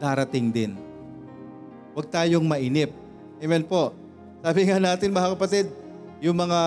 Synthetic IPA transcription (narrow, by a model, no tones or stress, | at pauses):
d̪̥aːɾɐt̪ɪŋd̪ɪn | wɐɡ̚t̪aːjoŋmɐʔiːnɪp̚ | ʔɛmɛnpo̞ʔ | saːbɪŋanaːt̪ɪnmɐhakɐpɐt̪ɪd̪̚ | jʊŋmɐŋa